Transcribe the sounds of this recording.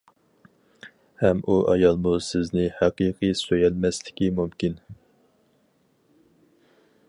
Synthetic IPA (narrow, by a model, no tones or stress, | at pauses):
hɛmʔuʔɑjɑlˠmusɪznɪhæqiqʰisøjɛlmɛslɪ̥kʲimumkʲin